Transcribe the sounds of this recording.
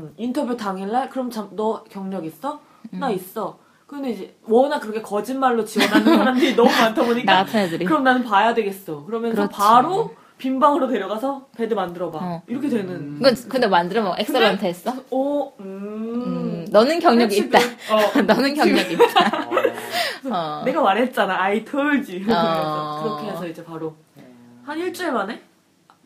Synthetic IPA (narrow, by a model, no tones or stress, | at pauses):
intʰʌbjutaŋiɭːaɭkɯɾʌmt͡ɕamnʌkjʌŋɲʌɡis͈ʌ | nais͈ʌ | kɯndeid͡ʑe | wʌnakɯɾʌkʰe̞kʌd͡ʑinmaɭːot͡ɕiwʌnanʰaɾandeinʌmumantʰaboɲiknapʰaadɯɾikɯɾʌmnanɯnpajadwe̞ɡe̞s͈ʌkɯɾʌmjʌnɯɾʰʌʌpaɾo | pimbaŋɯɾote̞ɾjʌɣasʰʌpe̞dɯmandɯɾʌbaiɾʌkʰedwe̞nɯnɡʌnkɯndemandɯɾʌmʌʔeks͈ɯɾantʰɯɦs͈ʌʌɯ | nʌnɯnkjʌŋɲʌɡiːt̚t͈anʌnɯnkjʌŋɲʌɡiːt͈ːa | ʌne̞ɡamaɾɦet̚t͡ɕ͈anaaitʰɯɭd͡ʑi | kɯɾʌkʰeesʰʌid͡ʑe̞paɾo | haniɭt͡ɕ͈eɭmane̞